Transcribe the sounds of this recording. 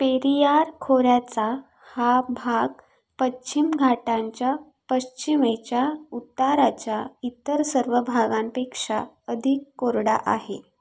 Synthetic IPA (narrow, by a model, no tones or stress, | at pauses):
peɾijaɾkʰoɾjat͡sa | habʱaɡ | pət͡ɕimɡʱaʈãɲt͡ɕja | pəɕt͡ɕimet͡ɕjaut̪ːaɾat͡ɕjait̪ːəɾsəɾʋəbʱaɡãmpekʂa | əd̪ʱikːoɾɽa̰ʔaɦe